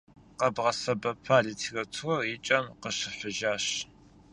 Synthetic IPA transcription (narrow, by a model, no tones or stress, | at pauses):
qɐbʁɐsɐbɐpʰaːɮiːtʰirɐtʰuwɐrɪt͡ʃʼɐmqəɕɪħʷʊʒaːɕ